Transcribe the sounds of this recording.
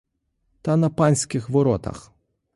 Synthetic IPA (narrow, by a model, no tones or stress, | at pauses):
t̪ɐnɐpanʲsʲkʲɪxʋɔɾɔt̪ɐ̰x